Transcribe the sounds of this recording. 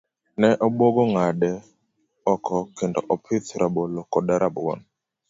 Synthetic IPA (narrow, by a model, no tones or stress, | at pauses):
nɛʔɔboɡoŋadɛ | ɔkʰɔkendɔ̰ʔɔpʰɪt̪ɾʔabolokɔdaɾabɔ̰n